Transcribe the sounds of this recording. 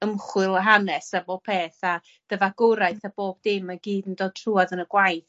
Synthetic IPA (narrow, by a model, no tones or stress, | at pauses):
əmχwɨlˠəɦanɛsabopʰeːθa | d̥əvaɡʊɾajθab̥oːb̚dɪnmaɡiːdəndoːd̚tʰruːaðənəɡwajθ